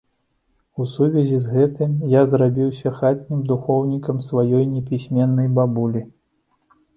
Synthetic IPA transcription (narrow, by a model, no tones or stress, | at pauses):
usuvʲɛzʲizɣɛt̪ɨmjazrabʲiwsʲɐxat̪̚ʲnʲimd̪uxɔwnʲikɐmsvajɔjnʲɛpʲisʲmʲɛnːɐjbabulʲi